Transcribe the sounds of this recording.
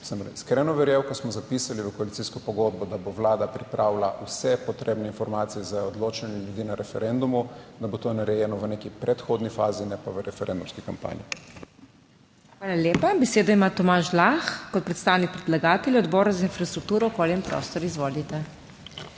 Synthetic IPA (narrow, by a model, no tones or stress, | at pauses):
səmiskɾɛːnɔʋɛɾjewkɔsmɔzapisaliʋəkɔalit̪siːskɔpɔɡod̪̚bɔd̪aboʋlaːd̪apɾipɾaːwlaʔusɛpɔt̪ɾeːbnɛinfɔɾmaːt̪siɛzaɔd̪loːt͡ʃanjɛljud̪iːnaɾʔɛfɛɾɛnd̪umud̪abot̪onaɾɛjɛnɔʋənekipɾʔɛt̪xod̪nifaːzinɛpaʋəɾɛfɛɾɛnd̪umskikampa̰ːnji | xʋaːlalʲjeːpabɛseːd̪aimat̪ɔmaːʃlaxkɔt̪̚pɾɛt̪st̪aːwnik̚pɾɛd̪laɡaːt̪ɛlɔd̪bɔːɾazainfɾast̪ɾuk̚t̪uːɾɔkoːlɛmpɾʔo̰ːst̪ɔɾizʋoːlit̪ɛ